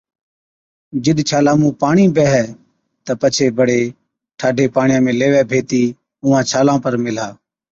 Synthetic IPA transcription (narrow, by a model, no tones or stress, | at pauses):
d͡ʒɪɗ̪t͡ʃʰaːlaːmũːpaːɳiːbɛːɦɛː | t̪əpət͡ʃʰeːbəɽeː | ʈʰaːɖʱeːpaːɳɪjãːmẽːleːʋɛːbʱeːt̪iː | ʊ̃ːãːt͡ʃʰaːlãːpəɾmɪl̤aː